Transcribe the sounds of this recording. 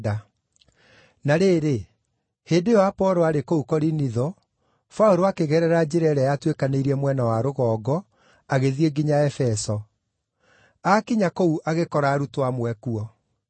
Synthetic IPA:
a | naɾeɾe | heːdewapɔɾɔaɾekoukɔɾiniðɔ | fauɾoakeɣɛɾɛɾad͡ʑeɾɛɾɛjatwekaneiɾɛmwɛnawaɾoɣɔːɡɔ | aɣeðieɡiɲaɛfɛsɔ | akiɲakouʔaɣekɔɾaːɾutwamwɛkuɔ

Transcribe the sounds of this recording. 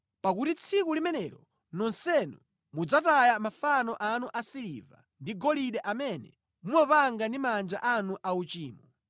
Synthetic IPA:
pakutit͡sʰikulimɛnɛɾɔ | nɔnsɛnu | mud͡zatajamafanɔʔanuʔasilḭva̰ | ndiɡɔliɗɛʔamɛnɛ̰ | muɔpaŋɡandimand͡ʒa̰ʔanuʔaut͡ʃiːmɔ

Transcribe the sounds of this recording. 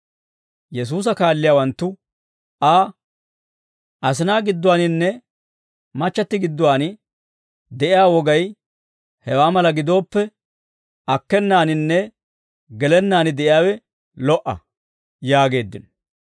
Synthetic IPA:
jɛs̬uːs̬ɐkaːlːɪjaːwɐnt̪ːʊ | ʔaː | ʔɐs̬ɪnaːɡɪd̪ːʊwaːnɪnːɛ | mɐt͡ʃːɐt̪ːɪɡɪd̪ːʊwaːnɪ | d̪ɛʔɪjaːwɔɡɐj | hɛwaːmɐlɐɡɪd̪o̞ːpːɛ | ɐkːɛnːaːnɪnːɛ | ɡɛlɛnːaːnɪd̪ɛʔɪjaːwɛ | lɔʔɐ̰ | jaːɡe̞ːd̪ːɪ̰n

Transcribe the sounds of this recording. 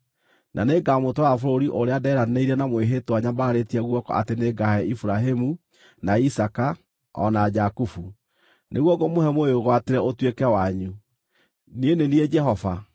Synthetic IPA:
nʔa̰neɡamotoafoɾoɾiʔoɾeadɛɾaneiɾɛnamweɦetwaɲabaːɾetiaɣwɔkɔ̰a̰teneɡahɛifuɾaɦemu | naisaka | ɔ̰nad͡ʒakufu | nʔḛɣwɔɡomohɛmooɣwateɾɛotwekɛwaɲu | nienenied͡ʒɛɦɔva

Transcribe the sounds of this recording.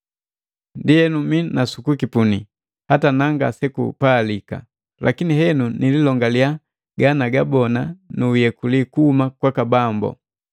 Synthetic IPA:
ndiɛnuminasukukipuni | hatanaŋɡa̰sɛkṵpalika̰ | lʔakiniɦɛnunililɔŋɡalia | ɡanaɡabɔnanuːjɛkulikuhumakwakabambɔ̰

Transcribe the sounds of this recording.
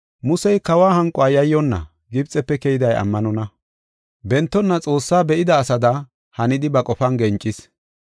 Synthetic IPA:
mʊsɛjkɐwaːhɐŋkʼɔaːjɐjːɔnːɐ̰ | ɡɪb̚t͡sʼɛpːɛkɛjɪd̪ɐjɐ̰mːɐnɔnɐ | bɛnt̪ːɔnːɐt͡sʼo̞ːsːaːbɛʔɪd̪ɐːsɐd̪ɐ | hɐnɪd̪ɪbɐkʼɔfɐnɡɛnt͡ʃʼːɪs

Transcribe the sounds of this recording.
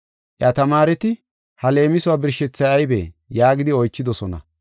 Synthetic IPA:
ʔjat̪ɐmaːɾɛt̪ɪ | hɐle̞ːmɪsʊwaːbɪɾʃɛt͡sːɐjɐjbḛːjaːɡɪd̪ɪɔjt͡ʃːɪd̪ɔsɔnɐ̰

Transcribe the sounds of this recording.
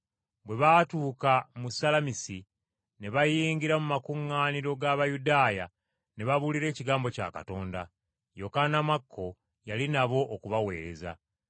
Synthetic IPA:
bwe̞βatuːkamusalamisi | ne̞βajiːŋɡiɾamumakuŋːaːniɾo̞ɡaβajudaːja | ne̞βaβuliɾe̞ːciɡaːmbo̞ca̰ːka̰to̞ːnda̰ | jo̞kanamakʰːo̞ | jalinaβo̞ʔːkuβawe̞̰ːɾe̞̰za̰

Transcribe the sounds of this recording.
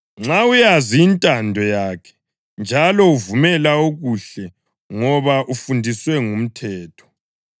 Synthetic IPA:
ŋ͡ǁaujaziːntʼandʱɔjaːkʰɛ̥ | nd͡ʒʱalɔuvumɛlaoɣuɬɛ | ŋɔβaʔufundʱiswɛŋum̩tʰɛːtʰɔ̥

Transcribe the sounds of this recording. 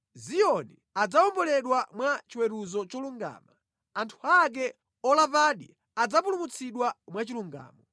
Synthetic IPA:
zijɔni | ad͡zaɔmbɔlɛɗwamwat͡ʃiwɛɾuzɔt͡ʃɔluŋɡa̰ːma | antʰuak̬ɛ | ɔlavaɗi | ad͡zapulumut͡sʰiɗwamwat͡ʃiluŋɡa̰ːmɔ

